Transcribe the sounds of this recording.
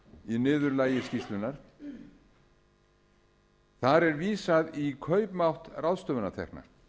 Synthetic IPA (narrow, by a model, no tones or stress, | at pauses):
inɪːðʏɾlaːjɪ̥scist̪lʏnaɾ̥ | θaɾɛɾviːsaðikʰœɥpmawht̪rawðst̪œːvʏnat̪ʰɛ̰hkna̰